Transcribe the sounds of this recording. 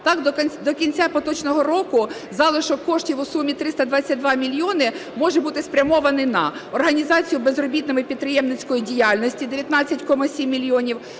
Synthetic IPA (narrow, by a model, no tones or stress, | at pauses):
t̪ɑkd̪ɔnʲd̪ɔkʲinʲt͡sʲːapɔt̪ɔt͡ʃnɔɦɔɾɔkʊ | zɑlˠɪʃɔkɔʃtʲiwʊsumʲit̪ɾɪst̪ɐd̪ʋɑt͡sʲːɐt̚ʲd̪ʋɑmʲilʲjɔnɪmɔʒɛbut̪ɪspɾʲɐmɔʋɐnɪnɐɔrɦɐnʲizɑt͡sʲijʊbezrɔbʲit̪nɔmɪpʲid̪̚pɾɪjɛmnɪt͡sʲkɔjidʲijalʲnɔsʲtʲid̪eʋʲjɐt̪nɑt͡sʲːɐtʲkɔmɐsʲimʲːilʲjɔnʲiw